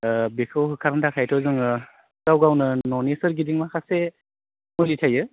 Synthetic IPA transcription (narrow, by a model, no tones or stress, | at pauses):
bekʰɯwɦɯkʰaɾndʰakʰajtʰɔzɯŋɯ | ɡ̥awɡawnɯnɔnesɯɾɡidiŋmakʰase | mɔjlitʰajɯ